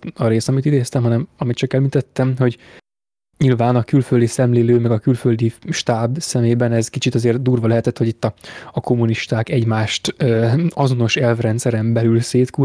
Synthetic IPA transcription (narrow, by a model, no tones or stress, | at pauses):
ɒɾeːsɒmit̪id̪eːst̪ɛmɦɒnɛmɒmit̪t͡ʃɒkɛlmint̪ɛt̪ːɛmho̞ɟ | ɲilvaːnɒkylføld̪isɛmleːløːmɛɡɒkylføld̪iʃt̪aːbsɛmeːbɛnɛzkit͡ʃit̪ɒzeːrd̪uːrvɒlɛɦɛt̪ɛt̪ho̞ɟit̪ːɒɒko̞mːuniʃt̪aːkɛɟmaːʃt̪øːɒzo̞no̞ʃɛlvrɛnt̪sɛɾɛmbɛlylseːt̪ku